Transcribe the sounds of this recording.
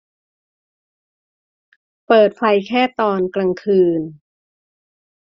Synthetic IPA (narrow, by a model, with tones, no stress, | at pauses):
pɤː˨˩t̪̚fʰa˧jkʰɛː˥˩t̪ɔː˧nkɾa˧ŋkʰɯː˧n